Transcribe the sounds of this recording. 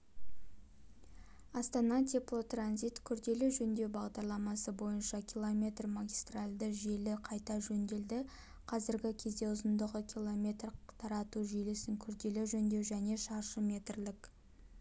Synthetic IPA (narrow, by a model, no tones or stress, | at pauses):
ɑst̪ɑnɑt̪ʲʰiplˠot̪ranzijt̪kʲʰʏɾd̪e̞lɪʒɵnd̪e̞wbɑʁd̪ɑɾlˠɑmɑsəbo̞jənʃɑkʲʰilˠomʲe̞t̪rmaɡʲist̪ralʲd̪əʒe̞lɪqʰɑjt̪ɑʒɵnd̪e̞ld̪ɪ | qʰɑzɪɾɡʲɪkʲʰe̞zd̪e̞ʊzənd̪əʁəkʲʰilˠo̞mʲe̞t̪rt̪ʰɑɾɑt̪uʒelɪsɪŋkʲʰʏɾd̪e̞lɪʒɵnd̪e̞wʒæne̞ʃɑɾʃəmʲe̞t̪rlɪk